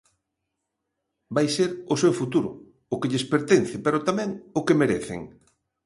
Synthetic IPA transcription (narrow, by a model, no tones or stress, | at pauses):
bajseɾʊsewfut̪uɾʊ̰ | ʊkeʎɪspeɾt̪enθɪpeɾʊt̪amɛ̃ŋʊkemeɾeθḛŋ